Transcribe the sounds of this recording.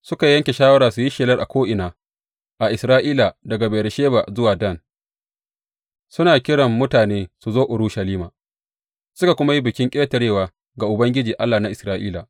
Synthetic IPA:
sʊ˦ka˨jɐ˦ŋkʲe˨ʃaː˦wɐ˦ɾaː˨su˨ji˦ʃeː˨lɐ˦rʔa̰˨kʷoː˦ʔɪ˨naː˨ | ʔa˨ʔɪ˨sɾaː˦ʔiː˦la˨dɐ˨ɡa˨beː˨ɾɪ˨ʃeː˦ba̰ː˨zʊ˦waː˨dɐ˦˨n | sʊ˦naː˨kʲɪ˦ɽɐ˨mːʊ˦taː˨neː˦su˨zoː˦ʔʊ˨ɾuː˦ʃɐ˨liː˦maː˨ | sʊ˦ka˨kʷʊ˦ma˦ji˦bɪ˨kʲɪ˦ŋkʲʼeː˦tɐ˨ɽeː˦˨waː˨ | ɡa˨ʔʊ˨bɐ˦ŋɡʲɪ˦d͡ʒiː˨ʔa˦lːaː˨na˦ʔɪ˨sɾaː˦ʔḭː˦la̰˨ʔ

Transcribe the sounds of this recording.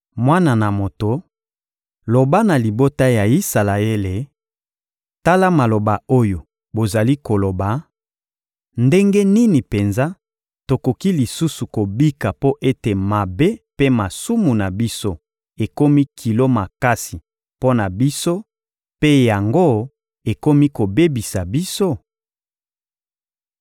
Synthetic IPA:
mwa˦na˨na˨mo˨to˨ | lo˨ba˦na˨li˨bo˦ta˦ja˨i˦sa˨la˨e˦le˨ | ta˦la˦ma˨lo˨ba˨o˦jo˨ | bo˨za˨li˦ko˨lo˨ba˨ | nde˦ŋɡe˦ni˦ni˨pe˨nza˦ | to˨ko˨ki˦li˨su˦su˨ko˨bi˦ka˨po˦ʔe˦te˨ma˨be˦pe˦ma˨su˦mu˨na˨bi˦so˦ | e˨ko˦mi˦kʰi˨lo˦ma˨ka˦si˨ | po˦na˨bi˦so˦ | pe˦ja˨ŋɡo˦ | e˨ko˦mi˦ko˨be˦bi˨sa˨bi˦so˦

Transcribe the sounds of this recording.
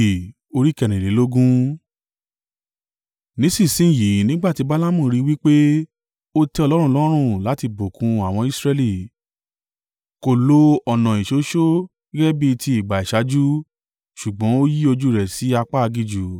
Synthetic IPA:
o˧ɾi˦kɛ˦˨nĩ˨le˨˦lo˦ɡũ˦ | nĩ˨˦si˦˨sĩ˦˨ji˨˦nĩ˦ɡ͡ba˦˨ti˧˦ba˦la˦mũ˦˨˧ɾi˦wi˦k͡pe˦ | o˦tɛ˧˦ɔ˧lɔ˦ɾ̃ũ˦˧˦lɔ˦ɾ̃ũ˦˨la˨˦ti˧bo˨kũ˧a˨w̃ɔ̃˧i˦sɾɛ˧li˦˨ | ko˨lo˧ɔ˨nã˨i˨ʃo˨˦ʃo˦ | i˦ɡɛ˦bi˦˧ti˧˦i˦˨ɡ͡ba˨i˨ʃa˨˦d͡ʒu˦ | ʃu˨ɡ͡bɔ̃˨˦o˦ji˦o˧d͡ʒu˦˨ɾɛ˨si˨˦a˧k͡pa˦a˧ɡi˦˨d͡ʒu˨

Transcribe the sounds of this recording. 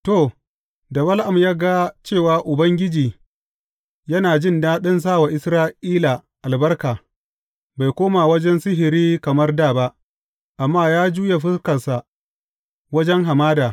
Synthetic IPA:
to˨ | dɐ˨bɐ˦lʔa˨mjaː˦ɡa˦t͡ʃeː˦˨waː˨ʔʊ˨bɐ˦ŋɡʲɪ˦d͡ʒiː˨ | jɐ˦naː˨d͡ʒɪ˦ndaː˦ɗɐ˦ns̬aː˦˨wa˨ʔɪ˦sɾaː˦ʔiː˦la˨ʔa˨lbɐ˦rkaː˨ | ba˨jkʷoː˦ma˨wɐ˦d͡ʒɛ˦nsɪ˦ɦɪ˨ɾiː˦kɐ˨mɐ˦rdaː˦˨ba˦ʔ | ʔa˨mːaː˦˨jaː˦d͡ʒuː˦je˨ɸɪ˦skɐ˨rsa˨ | wɐ˦d͡ʒɛ˦ŋɦa˨maː˦daː˨

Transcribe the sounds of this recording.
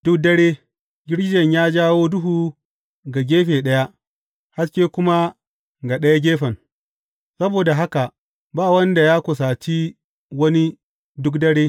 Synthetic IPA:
d̥ʊ˦k̚dɐ˦ɽeː˦ | ɡʲɪ˦ɽd͡ʒɐ˨ɲjaː˦d͡ʒaː˦woː˦dʊ˦ɦu˨ | ɡa˨ɡʲeː˦ɸeː˨ɗɐ˦ja˦ʔ | ha˦skʲeː˦kʷʊ˦ma˦ | ɡa˨ɗɐ˦ja˦ɡʲeː˦ɸɐ˨ŋ | sɐ˦boː˨da˨ɦa˦ka˨ʔ | baː˦˨wɐ˦nda˨jaː˦kʷʊ˨s̬aː˨t͡ʃi˦ | wɐ˦ni˦ | dʊ˦kdɐ˦ɽeː˦

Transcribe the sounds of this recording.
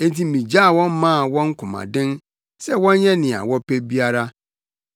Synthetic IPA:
ẽ˦nt̬i˦mĩ˨d͡ʑa˦˨wɔ̃˦n˦mã˦a˨wɔ̃˦ŋ̩˦kʰʊ̃˨mã̰˨dɪ̃˦n | sɛ˦wɔ̃˦n˦ɲɛ̃˦nɪ̃˨a̰˨wɔ˦pʰe˦bi˦a˦ɾa˦

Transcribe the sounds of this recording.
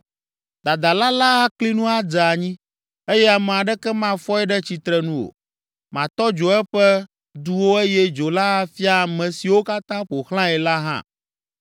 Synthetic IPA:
d̪a˨d̪a˨la˦la˦ɦa˦kli˦nũ˦a˦d͡zɛ˨a˨ɲĩ˦ | e˦jɛ˦a˨mɛ̃˨a˨ɖɛ˦kɛ˦mã˦fɔ˦ɛ˦ɖɛ˦t͡ɕi˨t̪ɾɛ˨nũ˦wo̰˨ | mã˨t̪ɔ˦d͡ʒo˨ɛ˦ɸɛ˦ | d̪u˦wo˦e˦jɛ˦d͡ʒo˨la˦a˦fi˦a˨mɛ̃˨si˨wo˦ka˦t̪ã˦ɸo˨xlã˦ɛ˨la˦ɦã̰˦˨

